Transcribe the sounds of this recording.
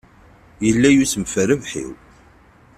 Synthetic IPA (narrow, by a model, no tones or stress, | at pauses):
jəlːæjusəmfəɾəvħḭw